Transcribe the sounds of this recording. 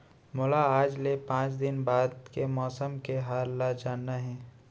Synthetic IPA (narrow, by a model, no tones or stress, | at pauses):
mʊlaaːd͡ʒlepãːt͡ʃd̪ɪnbaːd̪kemɔːsəmkeɦaːlːad͡ʒaːnːaɦɛ̃ː